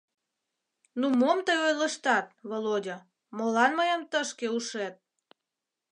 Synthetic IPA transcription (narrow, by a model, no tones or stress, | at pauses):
numomt̪əjojləʃt̪ɑt̪̚βolodʲə | molɑnməjəmt̪əʃkeuʃet̪̚